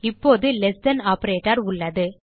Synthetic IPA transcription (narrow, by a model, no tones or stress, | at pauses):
ɪpːoːðɯlɛsdɐnaːpɐɾeːʈɐɾʊɭːɐðɯ